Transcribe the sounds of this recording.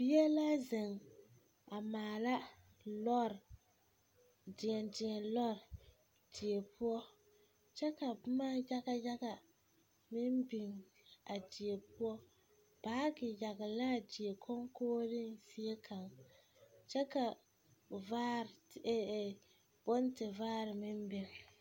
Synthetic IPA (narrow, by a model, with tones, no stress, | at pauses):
bi˦jɛ˦la˦zɪ˨ŋ | a˨maː˨la˦ | lɔ˦ɾ | dɪ˨ɛ˨dɪ˨ŋɛ˨lɔ˦ɾ | di˨e˨pu˦ɔ˦ | t͡ʃɛ˦ka˨bmaː˦ja˦ɣa˦ja˦ɣa˨ | mɪ˦mbi˨ŋ | a˨di˨e˨pʊ˦ɔ˦ | b̥aː˦ɡɪ˨ja˨ɣa˨la˦˨di˨e˨kʰo˦ŋkoː˦dɨ˦nsi˦e˦kʰa˨ŋ | t͡ʃɛ˦ka˨ | vaː˦ɾ | b̥ʊ˦n˦tɪ˨vaː˦ɾɨ˨mɪ˦mbɪ˨ŋ